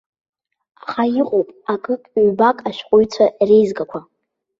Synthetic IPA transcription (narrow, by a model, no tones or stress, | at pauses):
aχajiqʼowpʼakʼɨkʼɥbakʼaʃᶣqʷʼʊɥt͡sʷʰarejzɡakʷʰa